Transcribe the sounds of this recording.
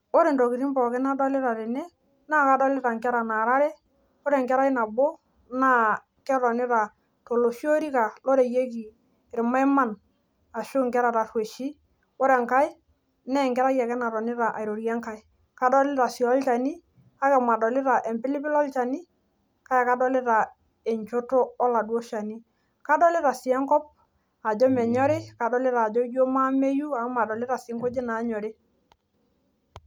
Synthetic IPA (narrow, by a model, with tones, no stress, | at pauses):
o˦ɾɛ˨ndɔ˨ki˨ɾi˦mbɔ˨kɪ˦na˦dɔ˦lɪ˦ɾa˨ɾɛ˨nɛ˦ | na˦˨ka˨˦dɔ˦lɪ˦ɾa˨ŋkɛ˦ɾa˨na˨ɾa˦ɾɛ˦ | o˦ɾɛ˨ŋkɛ˦ɾa˦i˦na˨bo˦ | na˦ | kɛ˦ɾɔ˨nɪ˦ɾa˨ | to˨lo˨ʃi˦o˦ɾi˦ka˨lɔ˦ɾe˨je˦ki˨ | ɾɪ˨ma˦jma˦n | a˨ʃʊ˦ŋkɛ˦ɾa˨ɾa˨rwe˨ʃi˦ | o˦ɾɛ˨ŋka˦ɪ˦ | nɛ˦˨ŋkɛ˦ɾa˦ja˨kɛ˦na˨ɾɔ˨nɪ˦ɾa˨ʔa˨jɾo˨ɾjɛ˦ŋka˦ | ka˦dɔ˦lɪ˦ɾa˨si˨ɔ˦lt͡ʃa˨ni˦ | a˦kɛ˨ma˨dɔ˨lɪ˦ɾa˨ʔɛ˨mpɪ˦lɪ˦pɪ˦lɔ˦lt͡ʃa˨ni˦ | ka˦ja˨ka˦dɔ˦lɪ˦ɾa˨ | e˨ɲt͡ʃo˦toː˦la˨dwɔ˦ʃa˨ni˦ | ka˦dɔ˦lɪ˦ɾa˨si˨ɛ˦ŋkɔ˦p̚ | a˨d͡ʒɔ˦mɛ˨ɲɔ˦ɾɪ˦ka˨dɔ˦lɪ˦ɾaː˨d͡ʒɔ˦jo˦ma˦me˦ju˦a˨˦ma˨dɔ˨lɪ˦ɾa˨sɪ˨˦ŋko˦d͡ʒe˦na˨˦ɲɔ˨ɾɪ˦